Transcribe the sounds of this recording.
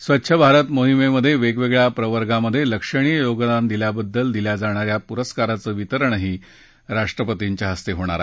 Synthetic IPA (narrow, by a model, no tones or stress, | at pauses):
sʋətːɕʰəbʱaɾət̪moɦimeməd̪ʱːjeʋeɡʋeɡɭjapɾəʋəɾɡaməd̪ʱːjeləkʂəɽ̃ijəjoɡd̪and̪iljabəd̪ːəld̪iljad͡zaɽ̃aɾjapuɾəskaɾat͡səːʋit̪əɾəɳɦiː | ɾaʂʈɾəpət̪iɲt͡ɕjaɦəst̪eɦoɽ̃a̰ɾa